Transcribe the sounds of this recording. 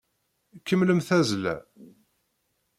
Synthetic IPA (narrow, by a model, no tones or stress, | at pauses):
kːəmːləmθæzlæ̰